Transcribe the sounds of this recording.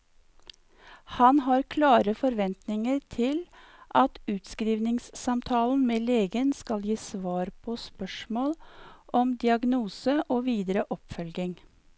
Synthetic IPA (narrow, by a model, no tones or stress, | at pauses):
hɑnhɑːɾkʰlɑːɾəfɔɾʋɛnt̪nɪŋəɾt̪ʰɪl | ʔɑt̪ʉːt̪skɾiːʋnɪŋssɑmt̪ʰɑːln̩meːleːɡənskɑljiːsʋɑːɾpʰoːspœʃmoːlʔɔmd̪ɪɑɡnuːsəʔoːʋiːd̪ɾəʔɔpfœlɡɪŋ